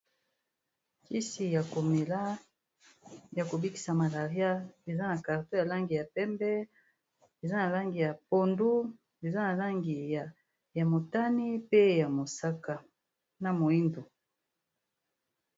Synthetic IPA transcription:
ki˦si˨ja˨ko˨me˨la˦ | ja˨ko˨bi˦ki̥˦sa˨ma˨la˨ʁja˦e˨za˦na˨ka˨ʁto˦ja˨la˦ŋɡi˨ja˨pɛ˦mbɛ˦ | e˨za˦na˨la˦ŋɡi˨ja˨po˨ndu˦ | e˨za˦na˨la˦ŋɡi˨ja˨ | ja˨mo˨ta˦ni˦pe˦ja˨mo˨sa˦ka˨ | na˨mo˨i˦ndo˨

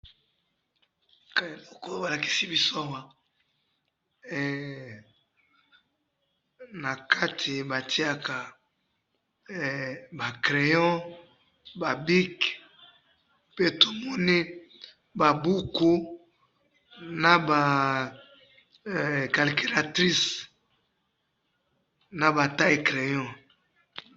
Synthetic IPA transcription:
klɔ˦ko˦ba˨la˨ki̥˦si˦bi˦so˦a˦˨wa˦˨ | na˨kʰa˦tʰi˨ba˨tʰi˦a˨ka˨ | ba˨kle˨jɔ̃˦ | ba˨bi˦k | pe˦to˨mɔ˦ni˦ | ba˨bu˦ko˦ | na˨ba˨ | ka˨lke˨la˨tʁi˦s | na˨ba˨ta˦e˨kʁe˨jɔ̃˦

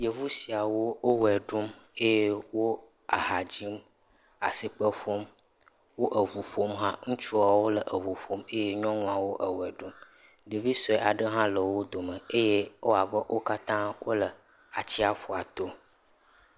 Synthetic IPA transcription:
je˨vu˦si˨a˨wo˦o˦wɛ˨ɖu˦me˦je˦wo˦ | a̰˨ɦa˨d͡ʑi˦m | a̰˨si˨k͡pə˦ɸo˦m | wo˦ʔə˨vu˨ɸo˦mɦã˦ŋũ˦t͡ʃu˦a˨wo˦lə˨ʔə˨vu˨fo˦me˦je˦ɲɔ̃˦nũ˦a˨wo˦ʔə˨wɛ˨ɖu˦m | ɖ̪ə˨vi˦sɔ˨ɛ˦˨ʔa˨ɖə˦ɦã˦lə˨wo˦d̪o˨mə̃˨e˦je˦wo˦a˨bə˦wʔo˦ka˦t̪ã˦wo̰˦lə˨ | a˨t͡ɕi˦a˨fo˨a˨t̪o˦

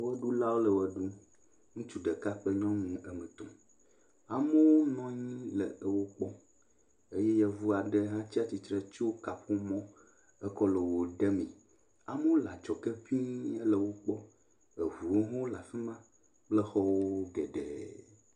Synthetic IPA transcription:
wɛ˦ɖu˦la˦wo˦lə˨wɛ˦ɖu˦ | ŋũ˦t͡ʃu˨ɖɛ˨ka˦k͡pɛ˦ɲɔ̃˦nũ˦ʔɛ˦mɛ̃˨t̪ɔ̃˨ | a˨me˦wo˦nɔ̃˦ɲĩ˦lɛ̰˨wo˦k͡pɔ˦ | e˦jɛ˦jɛ˦vu˦a˨ɖɛ˨ɦã˦t͡ɕi˦a˦t͡ɕi˨t̪ɾɛ˦t͡ʃo˦ka˨ɸo˦mɔ̃˦ | ɛ˦kɔ˦le˨wo˨ɖɛ˦mḭ̃˨ | a˨mə˦wo˦la˨t͡ʃɔ˨kɛ˦vi˦ɛ˦lə˨wo˦k͡pɔ˦ | e˨vu˨wo˦ɦɔ̃˦o˦la˨fi˦mã˦ | k͡ple˦xɔ˦wo˦ɡɛ˨ɖɛ̰ː˨

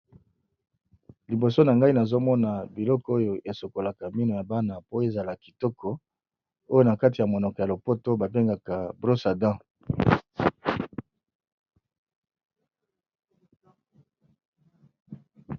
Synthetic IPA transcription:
li˨bo˨so˦na˨ŋɡa˦i˦na˨zo˦mɔ˦na˨bi˨lɔ˦kɔ˦o˦jo˨ʔe˨so˨ko˨la˨ka˨mi˦no˨ja˨ba˦na˨po˦e˨za˨la˨ki˨tɔ˦kʰɔ˦ | o˦jo˦na˨ka˦ti˨ja˨mo˨nɔ˨kɔ˨ja˨lo˨po˦to˦ba˨be˦ŋɡa˨ka˨bʁo˦sa˨dã˦

